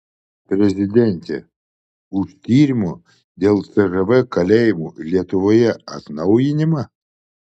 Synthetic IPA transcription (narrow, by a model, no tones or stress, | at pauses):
pʲɾʲɛzʲɪd̪ʲɛnʲt̪ʲḛ | ʊʃt̪ʲiːɾʲɪmʊ | d̪ʲeːlˠt̪sɛʒɛʋɛkɐlʲeːjɪmulʲiɛt̪ʊʋoːjɛɐ̰t̪nɐʊjɪnʲɪmɐ